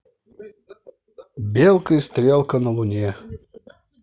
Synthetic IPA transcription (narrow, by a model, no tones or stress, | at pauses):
bʲelˠkəjst̪ɾʲelˠkənəlˠʊnʲe